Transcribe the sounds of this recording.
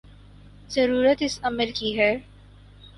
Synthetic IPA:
zɐɾuːɾət̪ɪsɐməlkiɦɛː

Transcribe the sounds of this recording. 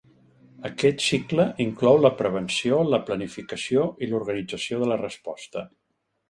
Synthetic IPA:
əkɛt̪sikləʔiŋklɔwləpɾəβ̞ənsioləplənifikəsioʔiluɾɣənid͡zəsioðələrəspɔst̪ə

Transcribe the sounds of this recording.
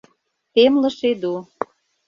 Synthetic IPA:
t̪emlə̆ʃed̪u

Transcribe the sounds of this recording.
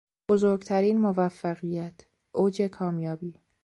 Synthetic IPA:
b̥ozoːɾɡt̪ʰæɾiːnmovæfːæɣijæt̪ʰ | ʔoːd͡ʒe̞kʰɒːmjɒːbiː

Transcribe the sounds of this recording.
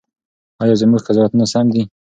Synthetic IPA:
ɑjɑzəmuɡqazɔwat̪unasamd̪i

